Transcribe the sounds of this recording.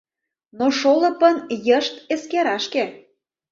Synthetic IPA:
noʃolə̆pənjəʃt̪eskeɾɑʃke

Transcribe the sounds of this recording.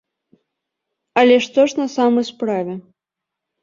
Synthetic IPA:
ɐlʲɛʂt̪ɔʂnɐsamɐjspɾavʲɛ

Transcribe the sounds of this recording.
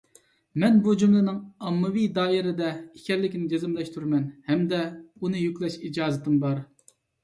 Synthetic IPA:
mɛnbud͡ʒumlˠɨnɨŋɑmːɨwijd̪ɑːjɪɾɪd̪ɛikʲɛɾlɪkʲnɪd͡ʒʲezɪmlˠɛʃt̪ʰuɾmɛnhɛmd̪ɛunɨjykʲlˠɛʃid͡ʒɑːzɨt̪ʰɨmbɑɾ

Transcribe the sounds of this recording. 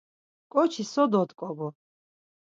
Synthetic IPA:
kʼɔt͡ʃʰisɔd̪ɔt̪kʼɔɡɔ

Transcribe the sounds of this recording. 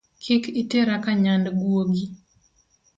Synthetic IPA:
kʰɪkiteɾakaɲandɡwoɡi

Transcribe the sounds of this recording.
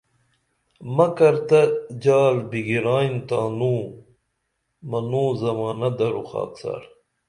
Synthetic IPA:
mɐkɐɾt̪ɐd͡ʑaːlbiɡiɾaːjnt̪aːnuː | mɐnuːzɐmaːnɐd̪ɐɾuxa̰ːtt͡sa̰ɽ

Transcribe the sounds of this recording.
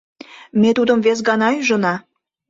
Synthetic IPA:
met̪ud̪ə̆mves̬ɡɑnɑyʒɤ̆nɑ

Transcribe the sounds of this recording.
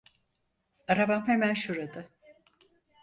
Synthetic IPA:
aɾabamhemænʃuɾad̪ɯ

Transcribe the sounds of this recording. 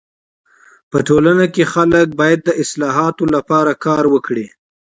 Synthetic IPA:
pəʈolanakexalək̚bɑjad̪̚ːəʔɪslɑɦɑt̪olapɑɾakɑɾwəkɽi

